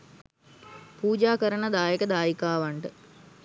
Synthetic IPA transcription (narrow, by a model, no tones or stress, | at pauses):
puːd͡ʒaːkəɾənəd̪aːjekəd̪aːjikaːʋaɳʈə